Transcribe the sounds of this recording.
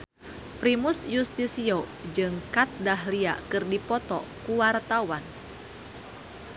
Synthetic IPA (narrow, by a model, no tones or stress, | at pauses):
pɾimusjust̪isiod͡ʒɨŋkat̪̚daɦliakɨrdipɔt̪ɔ̰kuwart̪awan